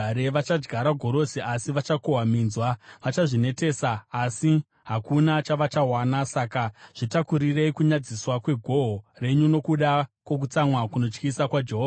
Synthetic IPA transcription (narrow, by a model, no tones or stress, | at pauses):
ɾeʋat͡ʃad͡ʒɡʱaɾaɡʱo̞ɾo̞siʔasiʋat͡ʃakoɦamiːnzwaʋat͡ʃaʐine̞te̞ːsaːsi | ɦakunat͡ʃaʋat͡ʃaɦwaːnasakaʐ̥itakuɾire̞ikuɲad͡ziswakwe̞ɡʱo̞ɦore̞ɲuno̞kuɗakwo̞k̬ut͡samwakuno̞t͡ʃkisakwad͡ʒe̞ɦoː